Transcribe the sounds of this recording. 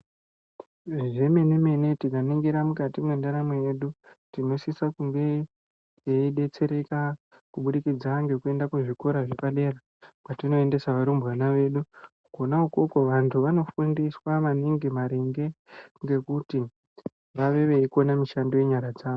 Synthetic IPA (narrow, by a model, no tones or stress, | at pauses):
ʐe̞me̞neme̞ne̞tikaniŋɡiɾamukatimwe̞ndaɾamweje̞ɗutino̞sisakuŋɡe̞ | jeiɗe̞t͡se̞ɾe̞ka | kuɓuɗikid͡zaŋɡe̞kue̞ndakweʐiko̞ɾaʐepale̞ra | patino̞ende̞saʋaɾumbanaʋe̞ɗukuɡʱo̞naukokoʋantʰuʋano̞fundiswamaniŋɡimaɾiŋɡe̞ŋɡe̞kuti | ʋaʋe̞ʋe̞iko̞namiʃandoje̞ɲaɾad͡zaːʋo